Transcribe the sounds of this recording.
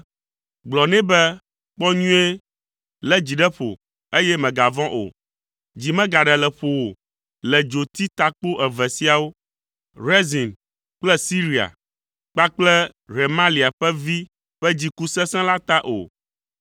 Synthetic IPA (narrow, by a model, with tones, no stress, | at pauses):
ɡ͡blɔ˨nɛ̃˦bɛ˦ | k͡pɔ˦ɲũ˦e˦ | lɛ˦d͡ʑi˨ɖɛ˦ɸo̰˨ | e˦jɛ˦mɛ̃˨ɡa˨vɔ̃˦ʔo̰˨ | d͡ʑi˨mɛ̃˦ɡa˨ɖɛ˨lɛ˨ɸo˨wo˨ | lɛ˨d͡ʒo˨t̪i˦t̪a˦k͡po˦ʔɛ˨vɛ˨si˦a˨wo˦ | ɾe˦zi˨n | k͡plɛ˦si˦ɾi˨a̰˨ | k͡pa˦k͡plɛ˦ | ɾe˨mã˦li˨a˨ɸɛ˦vi˦ | ɸɛ˦d͡ʑi˦ku˦sɛ̃˦sɛ̃˦la˦t̪a˦ʔo̰˨